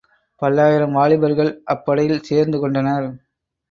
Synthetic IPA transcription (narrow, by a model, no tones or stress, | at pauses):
pɐlːaːjɪɾɐmʋaːɭɪbɐɾɣɐɭʔɐpːɐɽɐjɪlseːɾnd̪ɯkɔɳɖɐnɐɾ